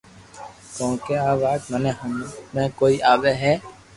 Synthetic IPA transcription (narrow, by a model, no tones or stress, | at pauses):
kõːkeaːbaːd͡ʒməneɦmmẽkoːiʔaːʋeɦɛː